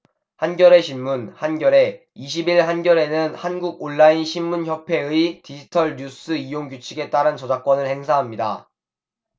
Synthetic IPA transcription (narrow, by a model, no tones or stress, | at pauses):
hanɡjʌɾe̞ɕʰinmunhanɡjʌɾe̞ | iɕ̬ʰibiɭɦanɡjʌɾe̞nɯnhanɡuɡ̚oɭːainɕʰimːunçjʌpʰe̞ɯitid͡ʑitʰʌɭɲus͈ɯijoŋɡut͡ɕʰiɡe̞t͈aɾɯnt͡ɕʌd͡ʑak͈̚wʌnɯɭhe̞ŋsʰaɦamɲida̰